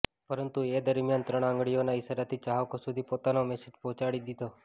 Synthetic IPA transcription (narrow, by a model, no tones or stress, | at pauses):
pəɾənt̪ued̪əɾmijant̪ɾəɽ̃ãŋɡɭijonaɪsaɾat̪ʰit͡ʃaɦʋkosʊd̪ʱipoːt̪anomɛsed͡ʒpɔ̃ːt͡ʃaɽid̪it̪o